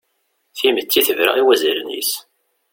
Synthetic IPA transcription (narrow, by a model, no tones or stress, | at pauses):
θimət͡s̪ːiθəvɾa̰iwæzilənḭs